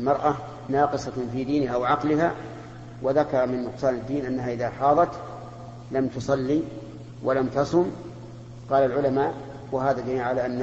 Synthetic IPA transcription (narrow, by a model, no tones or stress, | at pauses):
lmɑɾˤʔa | nɑːqɨsˤɑfiːd̪iːnɪɦawaʕɑqlɪɦa | waðakɑɾˤɑmɪnːʊqsˤɑːnad̪ːiːnʔanːaɦaʔɪðaħɑːðˤɑt̪ | lamt̪ʊsˤɑlːi | wʔalamt̪ɑsˤʊm | qɑːlalʕʊlamaːʔ | waɦaːðad̪amiːnʕalaʔanː